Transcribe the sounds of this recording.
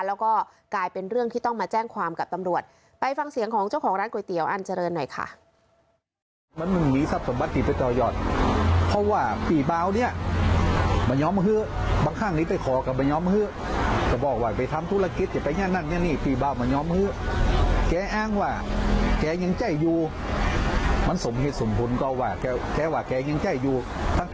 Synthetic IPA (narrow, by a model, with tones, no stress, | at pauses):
lɛː˦˥wkɔː˥˩ | klaː˧jpe˧nɾɯ˥˩əŋt̪ʰiː˥˩t̪ɔ˥˩ŋmaː˧t͡ɕɛː˥˩ŋkʰwaː˧mka˨˩p̚t̪a˧mɾu˨˩ət̪̚ | pa˧jfa˧ŋsi˨˩˦əŋkʰɔː˨˦ŋt͡ɕa˥˩wkʰɔː˩˦ŋɾaː˦˥nku˨˩jt̪i˨˦əwʔa˧˩nt͡ɕa˧ɾɤː˧nːɔ˨˩jkʰa̰˧˥˩ | ma˧˥˨nmɯ˧˩miː˧˥sa˧˩p̚so˩˨˦mba˧˦t̪̚ʰːiː˨˩pa˧˩t̪ɔː˧˩jɔː˨˩t̪̚pʰɔ˧waː˧˩pʰiː˨˩baː˧˨wni˧˥˩ɐ | mɔː˧˩˦ɲɔː˦˥mhɯː˧˥˨baː˧ŋkʰa˧˥˩ŋniː˧˥˩pa˧˩jkʰɔː˨˦ka˧˩bɔː˧˩ɲɔː˧˥˨mhɯː˧˥˨ | ka˧˩bɔː˨˩k̚waː˧˩pa˨˩jt̪ʰa˧mt̪ʰu˧˥˨la˧ki˧˦t̪̚t͡ɕa˧˩pa˧jɲaː˧˥˨na˧˨nɲa˧˥˨niː˧˩piː˨˩baː˧˩wma˧˩˨ɲɔː˧˦˥mhɯː˧˥˨ | kɛː˧˥ʔaː˧˨ŋwaː˧˩kɛː˧ɲa˧ŋt͡ɕa˧˥˩jjuː˧ | ma˧˥˨nso˨˦mɦe˧t̪̚so˨˦mpʰu˨˧˦nkɔː˧˩˦waː˧˩kɛː˧˩kɛː˧˦waː˧˩kɛː˧˩ɲa˧˥ŋt͡ɕa˧˩jjuː˧ | t̪ʰa˧˥˨